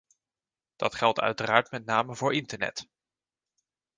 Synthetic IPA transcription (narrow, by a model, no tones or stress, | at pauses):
d̥ɑtχɛlˠtœ̰ɥtəraːɹtmɛtnaːməvʊːɹʔɪntəɹnɛ̰t